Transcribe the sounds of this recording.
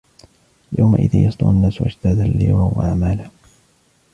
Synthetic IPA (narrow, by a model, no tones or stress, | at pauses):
ljawma̰ʔɪ̰ða̰jɑsˤd̪ʊ̰ʔanːaːswʔa̰d͡ʒt̪aːd̪alːḭːwawa̰ʕaʕmaːla